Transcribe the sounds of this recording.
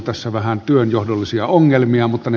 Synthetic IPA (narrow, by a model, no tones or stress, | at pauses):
t̪æsːæʋæhænt̪yønjohdolːisiɑoŋːelmiɑmut̪ːɑne